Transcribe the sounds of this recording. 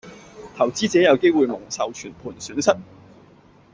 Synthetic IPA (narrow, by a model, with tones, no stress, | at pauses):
t̪ʰɐ˨˩wt͡siː˥t͡sɛː˨˥jɐ˨˧wke˥jwuː˨˧jmʊ˨˩ŋsɐ˨wt͡ʃʰyː˨˩npʰuː˨˩nsyː˨˥nsɐ˥t̚